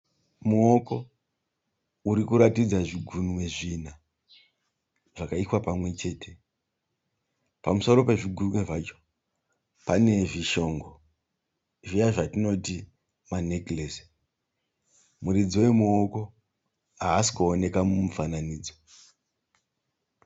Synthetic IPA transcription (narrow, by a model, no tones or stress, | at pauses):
muoko̞ | uɾikuɾatid͡zaʐiɡʱunwe̞ʐina | ʐ̥akaiswapamwe̞t͡ʃe̞ːtʰe̞ | pamuso̞ɾo̞pe̞ʐiɡʱunwe̞ʐat͡ʃo̥ | pane̞ʐiʃo̞ːŋɡo̞ | ʐijaʐatino̞ti | manekles | muɾid͡ziwe̞muoko̞ | ɦaːsi̥kuone̞kamumufananiːd͡zo